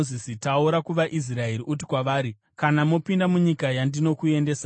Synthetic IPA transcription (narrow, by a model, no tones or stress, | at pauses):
zisitauɾakuʋaʔis̬rae̞ɾiʔutikwaʋaːɾi | kanamo̞pindamuɲikajandino̞kue̞ndeːsa